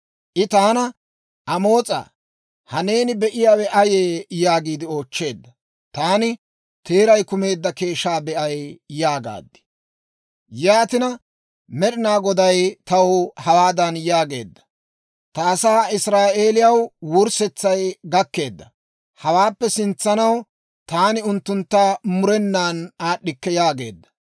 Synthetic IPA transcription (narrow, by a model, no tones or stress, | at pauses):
ʔɪt̪aːnɐ | ʔɐmo̞ːt͡sʼa̰ː | hɐne̞ːnɪbɛʔɪjaːwɛʔɐjeːjaːɡiːd̪ɪo̞ːt͡ʃːe̞ːd̪ːɐ | t̪aːnɪ | t̪e̞ːɾɐjkʊme̞ːd̪ːɐke̞ːʃːaːbɛʔɐjjaːɡa̰ːd̪ːɪ̥ | jaːt̪ɪnɐ | mɛɾɪnaːɡɔd̪ɐjt̪ɐwʊhɐwaːd̪ɐnjaːɡe̞̰ːd̪ːɐ̥ | t̪aːsaːɪsɾaːʔeːlɪjɐwwʊɾsɛt͡sːɐjɡɐkːe̞ːd̪ːɐ | hɐwaːpːɛsɪnt͡sːɐnɐw | t̪aːnɪʊnt̪ːʊnt̪ːaːmʊɾɛnːaːnaːɗɪkːɛjaːɡe̞̰ːd̪ːɐ̥